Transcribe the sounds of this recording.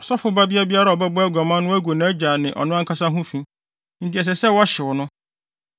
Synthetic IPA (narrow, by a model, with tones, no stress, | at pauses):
ɔ˨sɔ˦fʊ˨ba˦bi˦a˦bi˦a˦ɾa˦˨ɔ˨bɛ˦bɔ˦æ˦ɡɔ˨mã˦nʊ̃˦æ˦ɡo˨nã˨˦d͡ʑa˨nɪ̃˨ʔɔ̰˨nʊ̃˦a˦ŋ̩˦kʰa˦sa˦ɦũ˦fĩ˦ | n̩˨tʰɪ˨ɛ˨s̬ɛ˨sɛ˦wɔ˦ɕɪ˨wʊ˨nʊ̃˦